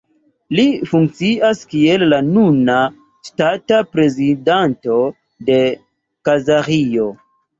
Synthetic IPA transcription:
lifuŋk̚t͡siaskielːanuna | statapɾe̞zidanto̞ | de̞ | kazaɾio̞

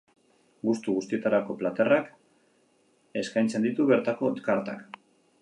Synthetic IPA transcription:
ɡust̪uɣust̪ie̞t̪aɾako̞plat̪e̞rak | e̞skajnt͡se̞nd̪it̪uβe̞ɾt̪ako̞t̪kaɾt̪a̰k

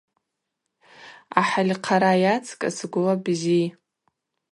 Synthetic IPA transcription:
aħalʲqʰaɾajat͡sʰkʼa̰sɡʷʊlabzi

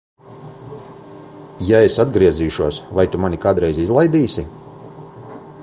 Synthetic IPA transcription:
jaesad̪ɡɾiɛziːʃuɔsvajt̪umanʲikaːd̪ɾɛjzizlˠajd̪iːsʲi

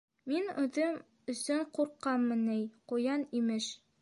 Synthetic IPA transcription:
minʉðɘm | ɵ̆sɵɴquɾqːɑmːɤnæjqujɑnimɘʃ

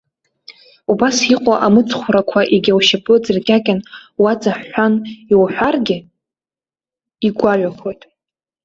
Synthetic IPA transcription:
ubasiqʷʼaʔamɨt͡sʰʼχʷɾakʷʰaʔiɡʲawʃapʼɨd͡zarɡʲakʲʼanwad͡zʼaħːʷaniwħᶣʷarɡʲɪ | iɡʷaɥʷᶣakʷʰo̞jtʼ

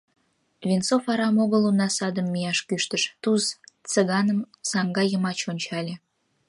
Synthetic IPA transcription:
βʲint͡sofɑɾɑmoɣəlunɑsɑd̪əmːijɑʃkyʃt̪əʃt̪uzt͡səɣɑnəm | sɑŋɡɑjəmɑt͡ɕonʲt͡ɕɑlʲe

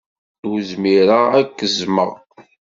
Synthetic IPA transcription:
wzmiɾaækːəzmə̰ʁ

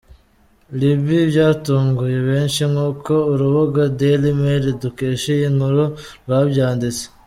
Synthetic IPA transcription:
liβibɟaːtuːŋɡuje̞βeːnʃiŋuːko̞uɾuβuɡadelimeɾidukeːʃejiŋhuɾuɾwabɟaːndit͡se̥

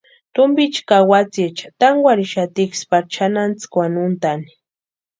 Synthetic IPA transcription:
t̪ʊmbit͡ʃkawat͡sit͡ʃḁt̪aŋɡʷwʷaɾiʃat̪ikspaɾt͡ʃʰanant͡skwanʊnt̪ani̥

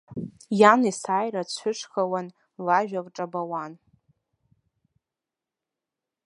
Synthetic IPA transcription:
janisajrat͡ɕʷʰʊʂχawan | laʒᶣarʈ͡ʂʼabawan

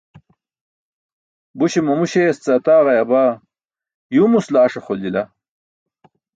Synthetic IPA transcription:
buɕemumuɕest͡sɐt̪aːʁɐjɐbaː | jumuslaːʂeχolila

